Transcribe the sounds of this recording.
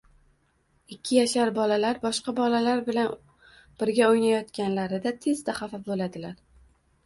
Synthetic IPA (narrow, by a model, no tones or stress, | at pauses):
ɪkʲʰːɪjaʃaɾbɒlalaɾbɒʃqɑbɒlalaɾbɪlan | b̥ɪɾɡʲaojnajɒt̪kʲanlaɾɪd̪at̪ʰe̞zd̪aχafafbolad̪ɪlaɾ